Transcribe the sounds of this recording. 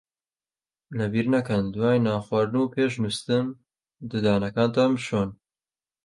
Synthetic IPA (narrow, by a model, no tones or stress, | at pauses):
lɐbiːɾnakɐnd̪wɑːjnɑːxwɑːɾɨnuːpʰeːʃnust̪ɨn | d̪ɨd̪ɑːnɐkɑːnt̪ɑːmɨʃoːn